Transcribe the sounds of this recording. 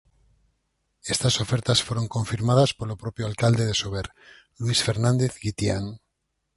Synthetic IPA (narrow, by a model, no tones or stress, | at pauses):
est̪aso̞feɾt̪asfwe̞ɾo̞ŋkõ̞ɱfiɾmað̞aspo̞lopɾo̞pjoalkald̪e̞ðe̞soβeɾ | lwisfe̞ɾnãnd̪eθɡit̪ja̰n